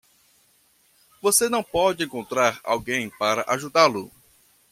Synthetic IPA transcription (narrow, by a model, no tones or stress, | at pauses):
vosenɐ̃w̃pɔd͡ʒɪẽŋkõnt̪ɾaɾa̰wɡẽj̃paɾɐʔaʒud̪alʊ